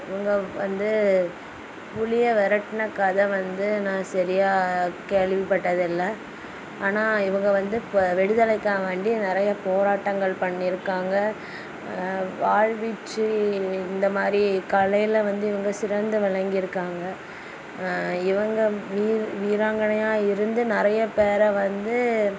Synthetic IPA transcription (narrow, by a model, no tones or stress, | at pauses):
ɪʋɐŋɡɐʋɐnd̪ɯ | pʊɭɪjɐʋɛɾɐʈːnɐkːɐðɐʋɐnd̪ɯnãːsɐɾɪjaːkeɭʋɪpɐʈːɐðɪlːɐ | aːnaːɪʋɐŋɡɐʋɐnd̪ɯʋɛɽɯðɐlɐɪkːãːʋeːɳɖinɪɾɐjɐpoːɾaːʈːɐŋɡɐɭpɐɳːɪɾɯkːaːŋɡɐ | ʋaːɻʋɪt͡ʃːɯɪnd̪ɐmaːd̪ɾikɐɭɐjlʋɐnd̪ɯɪʋɐŋɡɐsɪɾɐnd̪ɯʋɐɭɐŋɡɪɪɾɯkːaːŋɡɐ | ɪʋɐŋɡɐʋiːʋiːɾaːŋɡɐɳɐjaːɪɾɯnd̪ɯnɪɾɐjɐpeːɾɐʋɐnd̪ɯ